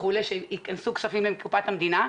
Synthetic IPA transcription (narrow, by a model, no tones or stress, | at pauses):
χuleʃeikansuksafimleemkupat̪hamd̪ina